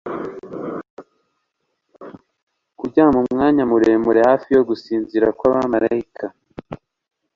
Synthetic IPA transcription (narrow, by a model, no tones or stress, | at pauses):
kuɟamumŋaːɲamuɾe̞muɾe̞haːfijo̞ɡusiːnziɾakwaβamaɾaikʰa